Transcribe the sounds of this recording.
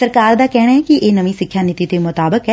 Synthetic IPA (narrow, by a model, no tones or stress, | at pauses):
sɐɾkaːɾd̪aːkɛːɽ̃aɦɛkiʔeːnɐʋĩsɪkʰjaːnɪt̪it̪emʊt̪aːbəkɦɛ